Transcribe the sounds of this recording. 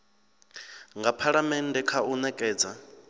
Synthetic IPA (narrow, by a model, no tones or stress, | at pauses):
ŋɡapʰaɺamɛndɛkʰaunɛkʼɛːd͡za